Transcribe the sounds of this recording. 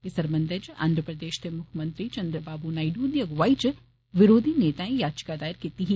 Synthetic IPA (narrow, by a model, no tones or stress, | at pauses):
ɪsɐɾmɐnd̪ɐd͡ʒã̰ːnd̪ʱɾəpɾɐd̪eːʃt̪emʊkʰmɐ̃nt̪ɾit͡ʃɐnd̪ɾəbaːbunaːiɖuːd̪jɐɡʋait͡ʃ | ʋɪɾoːd̪ʱineːt̪aːẽjaːdt͡ʃkad̪aːɪɾkit̪iɦi